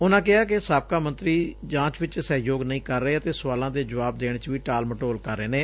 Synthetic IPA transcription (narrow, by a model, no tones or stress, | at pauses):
ʊnãːk̬ɪɦaːk̬esaːb̚kaːmə̃nt̪ɾiːd͡ʒãːt͡ʃʋɪt͡ʃsɛːjoːɡnəĩːkəɾːəeːət̪eːsʊʋaːlãːd̪eːd͡ʒəʋaːbd̪eːɽ̃t͡ʃʋiːʈaːlməʈoːlkəɾːeːneː